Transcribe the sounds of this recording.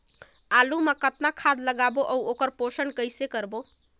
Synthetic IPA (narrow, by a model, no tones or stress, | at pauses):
alumekət̪nakʰad̪ləɡaboʔəwʔokəɾposənkəjsekəɾbo